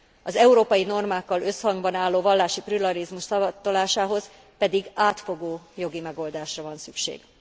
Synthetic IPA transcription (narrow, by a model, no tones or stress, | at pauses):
ɒzɛuɾoːpɒjino̞rmaːkːɒlø̞shɒŋɡbɒnaːlːoːvɒlːaːʃiprylɒɾizmuʃsɒbt̪ːolaːʃaːɦo̞z | pɛd̪iɡaːt̪fo̞ɡoːjo̞ɡimɛɡo̞ld̪aːʃrɒvɒnsykʃḛːɡ̥